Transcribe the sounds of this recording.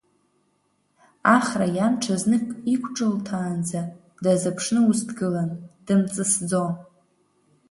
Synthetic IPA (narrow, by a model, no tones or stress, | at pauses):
aχrajamʈ͡ʂʰaznɨkʼikʷʰʈ͡ʂʼɨltʰaːnd͡za | dazapʰʂnɨustɡɨland̥ɨmt͡sʼɨsd͡zon